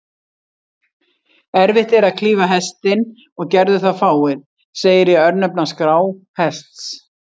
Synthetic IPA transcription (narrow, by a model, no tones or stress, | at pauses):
ɛɾvɪht̪ɛɾaðkʰliːvaɦɛst̪ɪn | ɔɣcɛɾðʏθaðfaːwɪɾ̥ | seːjɪɾjɛœɾnœpnaskɾaːw | hɛst̪s